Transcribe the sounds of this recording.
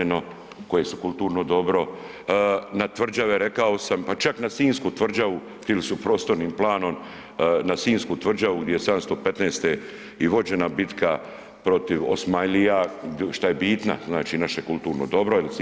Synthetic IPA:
eno̞ | ko̞je̞sukult̪uːɾnod̪o̞bɾo̞ | nat̪ʋr̩d͡ʒaʋe̞ɾe̞kao̞sampat͡ʃaknasiːnskut̪ʋr̩d͡ʒaʋu | t̪ilisupɾo̞ːst̪o̞ɾniːmplˠaːno̞m | nasiːnskut̪ʋr̩d͡ʒaʋuɡd̪jejesad̪amst̪ope̞t̪neːst̪e | iʋo̞d͡ʑe̞nabit̪ka | pɾo̞t̪iʋo̰smajlijaʃt̪aje̞biːt̪na̰znaːt͡ʃiːnaʃekulˠt̪uːɾnod̪o̞bɾo̞ilis

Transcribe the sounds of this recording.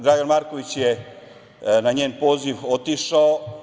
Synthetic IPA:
ɡɾaːɡanmaɾko̞ʋit͡ɕje | naɲeːnpo̞ːziʋo̞t̪iʃao

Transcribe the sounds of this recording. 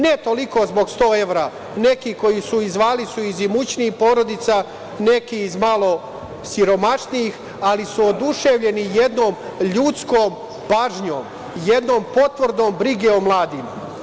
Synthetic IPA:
ne̞t̪o̞liko̞zbo̞ɡst̪o̞ːe̞ʋɾaː | ne̞kiko̞jisuizʋaːlisuizimut͡ɕniipo̞ːɾo̞d̪it̪sa | ne̞kiːzmalˠo̞ | siɾo̞maʃnijix | alisuod̪uʃeʋʎe̞nije̞d̪noːm | ʎut̪skoːm | paːʒɲo̰ːm | je̞d̪no̞ːmpo̞t̪ʋrɾd̪noːmbɾiɡeomlˠaːd̪imu

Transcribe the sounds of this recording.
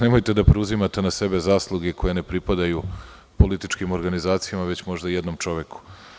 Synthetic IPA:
nemojt̪e̞d̪apɾeuzimat̪enase̞be̞zaːslˠuɡeko̞je̞nepɾipad̪aju | po̞lit̪it͡ʃkimo̞ɾɡanizaːt̪sijamaʋet͡ɕmo̞ʒd̪ajed̪no̞mt͡ʃo̞ʋeku̥

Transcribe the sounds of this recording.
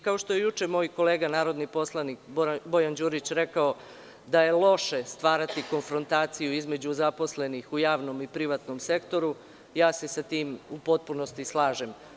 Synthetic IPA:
kao̞ʃt̪oje̞jut͡ʃe̞mo̞ːjko̞le̞ːɡanaːɾo̞d̪nipo̞slˠanikbbo̞jand͡ʑuːɾit͡ɕɾe̞kao | d̪aje̞lˠo̞ʃe̞st̪ʋaːɾat̪iko̞nfɾo̞nt̪aːt̪sijuizme̞d͡ʑuzapo̞sle̞nixujaːʋno̞mipɾiʋat̪no̞mse̞kt̪o̞ɾu | jaːse̞sat̪iːmupo̞t̪̚puno̞st̪islˠaːʒe̞m

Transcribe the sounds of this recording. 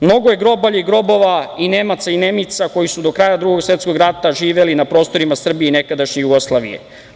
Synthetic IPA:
mnoɡoje̞ɡɾo̞baʎiɡɾo̞bo̞ʋaine̞mat̪saine̞mit̪sako̞jisud̪o̞kɾajad̪ɾuɡo̞ɡsʋe̞t̪sko̞ɡɾat̪aʒiːʋe̞linapɾo̞ːst̪o̞ɾimasr̩bieine̞kad̪aʃɲejuɡo̞slˠaːʋḭjḛ

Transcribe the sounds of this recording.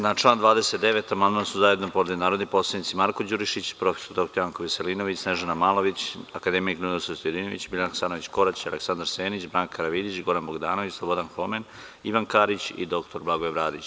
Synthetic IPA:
nat͡ʃlˠaːnd̪ʋaːd̪ese̞t̪d̪eʋe̞t̪amand̪mansuzaje̞d̪nopo̞ɾed̪inaːɾo̞d̪nipo̞slˠed̪nit̪simaɾkod͡ʑuɾiʃit͡ɕpɾo̞feso̞ɾd̪o̞k̚t̪oɾjaŋkoʋiselino̞ʋit͡ɕsneʒanamaːlo̞ʋit͡ɕakad̪emiknud̪isot̪ojed̪inoʋit͡ɕbilʲanaksanoʋit͡ɕko̞ɾat͡ɕialeksand̪aɾseːnit͡ɕbɾaːŋkkʰaɾaʋid̪it͡ɕɡo̞ɾanboɡd̪aːno̞ʋit͡ɕslˠobo̞d̪anxomen | iʋankaɾit͡ɕḭd̪o̞kt̪o̞ɾblˠaɡojeβɾaːd̪it͡ɕ

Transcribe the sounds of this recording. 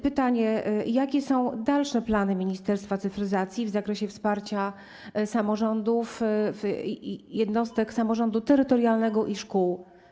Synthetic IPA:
pɘt̪aɲɛjakʲɛsɔ̃w̃d̪alʂɛplanɘmʲiɲist̪ɛɾst̪fat̪sɘfɾɘzat̪sʲjivzakɾɛɕɛfspaɾt͡ɕa | samɔʐɔnd̪uf | jɛd̪nɔst̪ɛksamɔʐɔnd̪ut̪ɛɾɘt̪ɔɾjalnɛɡɔʔiʂkuw

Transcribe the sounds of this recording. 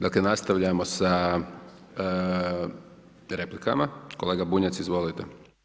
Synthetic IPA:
d̪aklenast̪aʋʎamosa | ɾeplika̰makoleɡabuɲatsizʋo̞lit̪e

